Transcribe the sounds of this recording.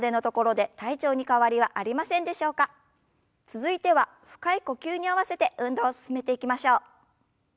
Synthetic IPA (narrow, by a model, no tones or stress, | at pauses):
d̪e̞no̞t̪o̞ko̞ɾo̞d̪e̞t̪ait͡ɕo̞ːɲ̟ikaβaɾʲiβaʔaɾʲimasẽ̞nd̪e̞ɕo̞ːka | t͡sɨzɨit̪e̞βa | ɸɯ̟̥kaiko̞kʲɨːɲ̟iaβase̞t̪e̞ɯ̟̃nd̪o̞ːsɨ̥sɨme̞t̪e̞ikʲimaɕo̞ː